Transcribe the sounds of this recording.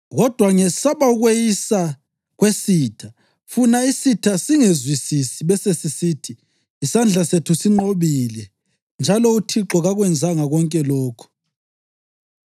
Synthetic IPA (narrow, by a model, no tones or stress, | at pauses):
ɣɔd̥ʱwaŋɛsaβauɣwejisa | ɣwesiːtʰa | funaisitʰasiŋezwisisiβɛsesisitʰiː | sand͡ɮʱasetʰusiŋ͡ǃoβilɛ | nd͡ʒʱalɔutʰiǁɔɣaɣwɛnd͡zʱaŋaɣɔŋkʼɛlɔːkʰɔ̥